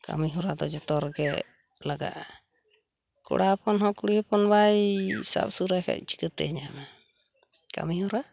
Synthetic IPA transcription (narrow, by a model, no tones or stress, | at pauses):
ka̰miɦɔɾad̪ɔd͡ʒɔt̪ɔɾɡɛ | laɡa̰ʔ | kɔ̰ɽapɔnɦɔkuɽihɔpɔnbajsa̰p̚suɾajkʰa̰c̚t͡ʃi̥kət̪ɛ̰ɲana | ka̰mihɔɾa